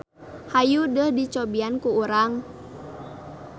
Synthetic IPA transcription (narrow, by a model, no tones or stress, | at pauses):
hajudəhdit͡ʃɔbiankuuɾaŋ